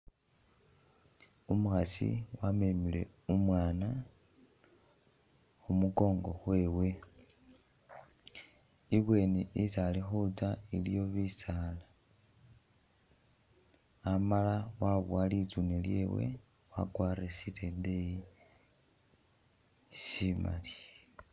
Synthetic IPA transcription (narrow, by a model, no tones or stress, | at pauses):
umuxasḭwamemile̞̰ | umwaːna | xumuko̞ːŋɡo̞xwe̞ːwe̞ | iβwe̞ːneisalexut͡sailijo̞βisaːla | amalawaβwalit͡sunelje̞̰we̞̰ | wa̰kwaːɾesitedei | sima̰li̥